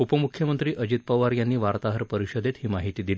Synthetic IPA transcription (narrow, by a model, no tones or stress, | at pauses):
upəmukʰjəmənt̪ɾiːʔəd͡ʑit̪̚pəʋaɾjanːiːʋaɾt̪aɦəɾpəɾiɕəd̪et̪ɦiːmaɦit̪iːd̪il